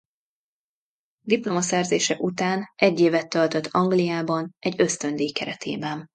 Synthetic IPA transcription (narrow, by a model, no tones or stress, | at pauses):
d̪iplo̞mɒsɛrzeːʃɛʔut̪aːnʔɛɟːeːvɛt̪ːølt̪øt̪ʰːɒŋɡlijaːbɒnʔɛɟːøst̪ønd̪eːkɛɾɛt̪ʰḛːbɛn